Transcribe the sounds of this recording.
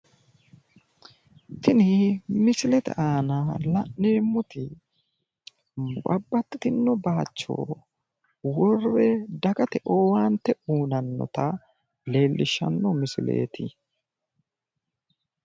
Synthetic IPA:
t̪ɪnɪmɪsɪlɛt̪ɛ̰ʔaːnɐlɐʔːeːmːʊt̪ɪ | bɐbːɐt̪ːɪt̪ɪnːɔbaːt͡ʃːo̰ː | wɔrːɛd̪ɐɡɐt̪ɛʔoːwaːnt̪ːɛuːnɐnːɔ̰t̪ɐ | le̞ːlːʔɪʃːɐ̰nːɔmɪsɪlḛːt̪ɪ

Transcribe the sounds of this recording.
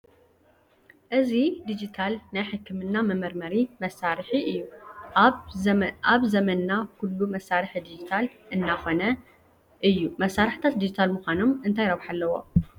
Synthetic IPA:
ʔɨzid̪id͡ʒit̪ʰalnajħɨkʰːɨmɨnːamɐmɐɾmɐɾimɐsaɾħiʔɨjːu | aβzɐmɐnnakʰulːumɐsːaɾɨħid̪id͡ʒit̪ʰalʔɨnːaxo̞nɐ | ʔɨjːumɐsːaɾɨħt̪ʰat̪d̪id͡ʒit̪ʰalmuxʷano̞mɨnt̪ʰajɾɐβħalːɐwo̞̰

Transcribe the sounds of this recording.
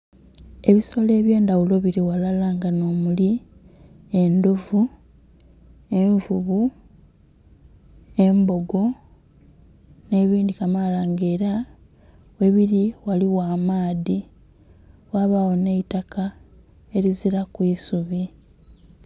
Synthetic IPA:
e̞βiso̞le̞ːβje̞ːndawulo̞βiɾiwalalaːŋɡano̞ːmuli | e̞ndo̞vu | e̞ɱvuβu | e̞mbo̞ɡo̞ | ne̞ːβiːndikamalaːŋɡeːɾa | we̞βiɾiwaliwaːmaːði | waβawone̞itaka | e̞ɾiziɾakwisuβi

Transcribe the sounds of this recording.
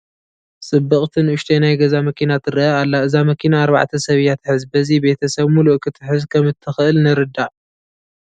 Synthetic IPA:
sʼɨbːɐχʼt̪ʰɨnʔʊʃt̪ʰejnajɡɐzamɐkʰinat̪ʰɨɾɐʔɐalːaɨzamɐkʰinaːɾβa̰ʕt̪ʰɐsɐβjat̪ʰɨħɨzbɐzibe̞t̪ʰɐsɐβmuluʔkʰɨt̪ʰɨ̥ħɨzkʰɐmɨt̪ʰːɨxʔɨlnɨɾɨd̪aʔ

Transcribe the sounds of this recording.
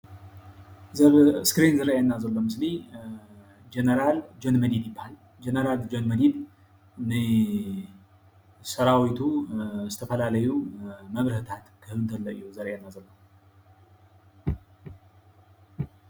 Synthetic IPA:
skɾinzəɾjajnːazəwləmɨsli | d͡ʒenəɾald͡ʒonməd̪id̪jɪbahal | d͡ʒenəɾald͡ʒonməd̪id̪ | ɨne | səɾawit̪ʰust̪ʰəfəlaləjuməβɾhət̪ʰat̪kʰəhɨlunt̪ʰəlːəʔjːɛwzəɾjanːazənːəw

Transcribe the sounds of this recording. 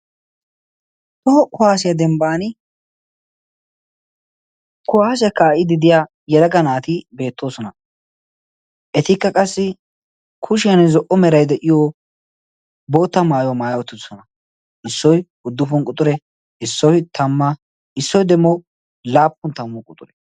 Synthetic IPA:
t̪ɔɔkʊhaːsɪjɐd̪ɛmbaːnɪ | kʊhaːs̬ɛkːaːʔɪd̪ɪd̪ɪja | jɛd̪ɐɡɐnaːt̪ɪbe̞ːt̪ːo̞ːsɔnɐ | ʔɛt̪ɪkːɐkʼɐsːɪ | kʰʊʃɪjɐnɛzɔʔɔmɛɾɐjd̪ɛʔɪjo | boːt̪ːɐmaːjwɔmaːjɐwɔt̪ːɪt̪ɔsɔnɐ | ʔɪsːɔj | ʊd̪ːʊfɔnkʼʊt̪ʼʊɾɛ | ɪsːɔfɪt̪ʰɐmːɐ | ɪsːɔjd̪ɛmːɔ | laːpːʊnt̪ɐmːɔkʼʊt̪ʼʊɾɛ̥

